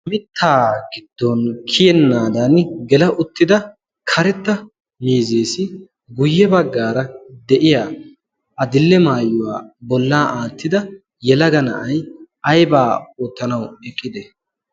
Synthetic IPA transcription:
mɪt̪ʰːaːɡɪd̪ːɔnkʰɪjɛnːaːd̪ɐnɡɛlɐʔʊt̪ːɪd̪ɐ | kʰɐɾɛt̪ːɐ | miːzeːsɪ | ɡʊjːɛbɐɡːaːɾɐd̪ɛʔɪjaː | ɐd̪ɪlːɛmaːjːʊwa̰ːbɔlːaːʔaːt̪ːɪd̪ɐ | jɛlɐɡɐnɐ̰ʔɐj | ɐjbaːoːt̪ːɐnɐwɛkʼːɪd̪ɛ

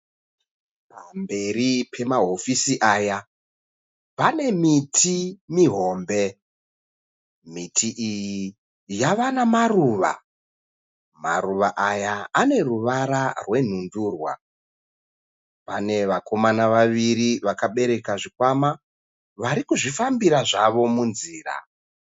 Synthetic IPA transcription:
pambe̞ɾipʰe̞maɦo̞fisiʔaːja | pane̞mitʰimiɦo̞ːmbe̞ | mitʰiʔiji | jaʋanamaruːʋa̰ | ma̰ɾuʋaʔajaːne̞ruʋaɾarwe̞n̤unduːrwa̰ | pane̞ʋako̞manaʋaʋiɾiʋakaɓe̞ɾe̞kaʐikwama | ʋaɾikuʐifambiɾaʐaʋo̞munziːra̰

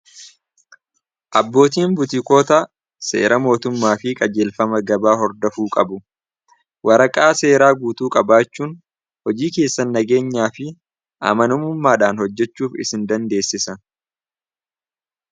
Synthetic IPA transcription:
ʔɐbːo̞ːt̪̬iːmbʊt̪ɪko̞ːt̪ɐ | se̞̰ːɾɐmo̞ːt̪ʊmːaːfɪkʼɐd͡ʒeːlfɐmɐɡɐbaːɦɔɾd̪ɐfuːkʼɐbʊ | wɐɾɐkʼaːse̞ːɾaːɡuːt̪uːkʼɐbaːt͡ʃːuːn | hɔd͡ʒiːke̞ːsːɐnːɐɡe̞ːɲːaːfɪ | ʔɐ̰mɐnʊmʊmːaːᶑaːnhɔd͡ʒːɛt͡ʃːuːfɪ̰sɪnd̪ɐnd̪e̞ːsːɪsɐ

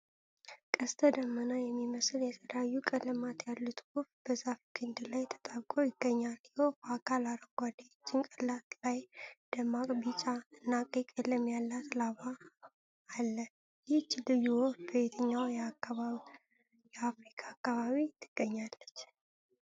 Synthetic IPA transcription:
kʼəst̪ʰəd̪əmːənajɛmːiməsljɛt̪ʰələjajːukʼələmat̪jalːut̪ʰɡofbəzafɡʰɨnd̪lajt̪ʰə̥t̪ʼaβkʼojɪɡ̥ːəɲːaljɪhokʰəakʰalaɾəɡʷad̪aot͡ʃːɪnkʼəlat̪lajd̪̥əmakʼbit͡ʃʼaɨnːakʼikʼələmjalːat̪laβaː | lːə | jɪt͡ʃːlɨjuwofbəβet̪ʰəɲːawj | jɛafɾikʰaːkːaβaβit̪ʰɨɡ̥ːəɲːalːət͡ʃː

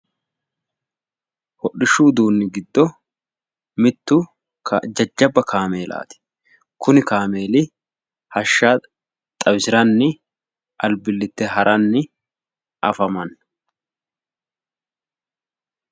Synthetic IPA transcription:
hɔɗːɪʃːuːd̪uːnːɪɡɪd̪ːɔ | mɪt̪ːʊ | d͡ʒɐd͡ʒːɐbːɐkʰaːme̞ːlʔa̰ːt̪ɪ̥ | kʊnɪkaːmeːlɪ | hɐʃːa | t̪ʼɐwsɪɾɐnːɪ | ʔɐlbɪlːɪt̪ːɛɦɐɾʔɐnːɪ | ʔɐ̰fɐmɐn

